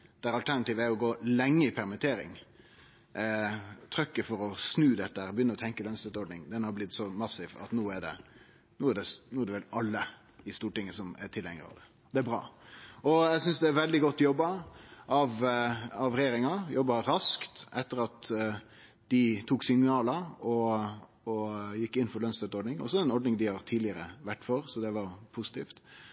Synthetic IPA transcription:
d̪̥æɾɑlt̪ʰæɾnɑt̪iːʋəæɾjɔɡoːlɛŋːəɪpʰæɾmɪt̪ʰeːɾɪ̰ŋ | t̪ʰɾœkːəfɔɾɔsnʉːd̪ɛt̪ːəæɾbjʏnːəɾɔt̪ʰɛŋkəlœnsʉt̪ɔɖnɪŋd̪ɛnhɑɾblɪt̪ːsɔmɑsːɪʋɑ̰t̪nuːæɖɛ̰ | nuːæɖɛnuːæd̪ɛʋɛlɑlːə | ɪst̪uːʈɪŋːəsɔmɛ̰ʈʰɪlhɛŋəɾɑ̰ʋd̪ɛ | d̪̥ɛæbɾɑ̰ːɔjæsʏnsd̪ɛæɾʋɛld̪ɪɡɔt̪ːjɔbːɑʔɑʋɑʋɾɛjeːɾɪŋɑjɔbːɑɾɑskt̪ʔɛt̪ːəɾɑt̪ | d̪̥ɪt̪ʰuːksɪŋnɑːləɔ | ɔjɪkːɪnːfɔɾlœnst̪ət̪ɔɾɖnɪŋɔ̰sɔɛnɔɖnɪŋd̪ɪhɑɾt̪ʰiːd̪lɪəɾəʋæʈːfɔɾsɔd̪ɛʋɑɾpʰusɪ̥t̪ʰiːft̪

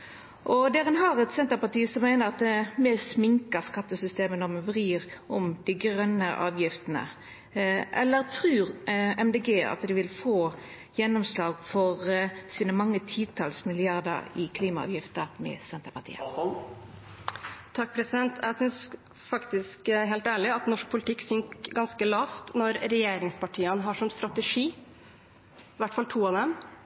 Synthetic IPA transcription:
ʔɔd̪ɛːɾənɦɑɾɛt̪sɛnt̪əɾpɑt̪iːsɔmæɪnəʁɑt̪̚mɛsmɪŋkəskɑt̪ːəsʏst̪eːmənɔʁmɛʋʁiːʁʔɔmd̪ɪɡʁœnːəʔɑːʋjɪft̪ənə̰ | ʔɛ̰lːəɾt̪ʰʁʉːʁɛmd̪eːɡeːɑ̰t̪d̪ɪʋɪlfoː | jɛnːɔmslɑːɡfɔʁsiːnəmɑŋːət̪ʰiːt̪ʰɑlsmɪlɪɑʁd̪ə̰ɾɪkʰliːmɑɑ̰ːʋjɪft̪əɾmɛ̰sɛnt̪əpɑt̪ʰḭːə̰ | t̪ʰɑk̚ːpʰɾɛsɪd̪ɛnt̪ʰjæsʏns | fɑkt̪ɪskɦɛɪlt̪æːɭɪɑt̪nɔʂk̚pʰʊlɪt̪ʰɪkːsʏŋkɡɑnskəlɑːft̪nɔɾɾɛjeːɾɪŋspɑʈʰiːənɦɑʂɔmst̪ɾɑt̪əʂiː | ʋæʈːfɑlt̪ʰuːɑd̪ɛm

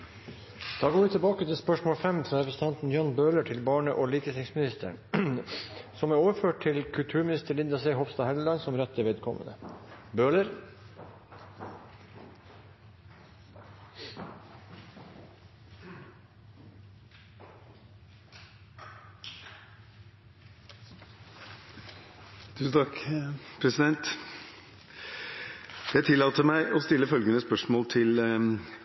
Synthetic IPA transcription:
d̪̥ɑːɡoːʋɪt̪ʰəbɑːkət̪ʰɪspœʂmoːlfɛmfɾɑːɾɛpɾəsət̪ʰɑnt̪n̩jɑːɳbøːləʈʰɪlbɑːɳəʔoːliːkət̪ʰɪŋsmɪnɪst̪ʰə̰ɳ | sɔmæɾoːʋəføːʈ̚ʈʰɪlkʰʉlt̪ʰʉːɾmɪnɪst̪əɭɪnd̪ɑsɛɪɦɔfst̪ɑːhællɑnsɔmɾɛt̪ʰːəʋeːd̪kʰɔmə̰nə̰bøːləɾ | d̪̥ʉːt̪ʰɑkpʰɾɛsɪd̪ɛnt̪ | jæɪt̪ʰɪlːɑːt̪əmæɪʔɔst̪ɪlːəfœlɡənəspœʂmoːlt̪ʰɪl

